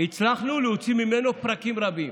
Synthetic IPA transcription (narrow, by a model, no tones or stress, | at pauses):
it͡slaχnulɛot͡simimenopɾakimʁabim